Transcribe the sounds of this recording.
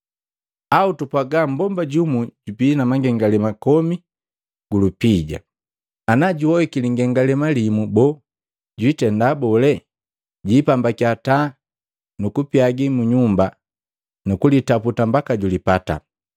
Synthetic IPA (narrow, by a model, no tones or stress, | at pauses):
autupaɡambɔmbaɟumuɟupinamaŋɡɛŋɡalɛmakɔmi | ɡ̥ulupiɟa̰ | anaɟuwɔhikiliŋɡɛŋɡalɛmalimubɔ | ɟwitɛndabɔlɛ | ɟipambakiata | nukupiaɡimuɲumba | nukulitaputambakaɟulipata̰